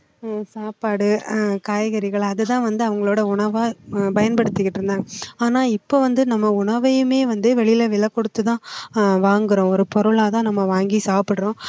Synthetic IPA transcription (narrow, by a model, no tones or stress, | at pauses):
saːpaːɽɯkaːjɣɐɾɪɣɐɭɐðɯt̪ãːʋɐnd̪ɯɐʋɐŋɡɐɭoːɽɐʊɳɐʋaːpɐjɐnpɐɽɯt̪ːɯkːɪʈːɪɾɯnd̪aːŋɡɐaːnaːɪpːoːʋɐnd̪ɯnɐmːɐʊɳɐʋɐjɯmeːʋɐnd̪ɯʋɛɭɪjlɐʋɪlɐkːɔɽɯt̪ːɯt̪ãːʋaːŋɡɯɾõːɔɾɯpɔɾɯɭaːt̪ãːnɐmːɐʋaːŋɡisaːpɪɽɾõː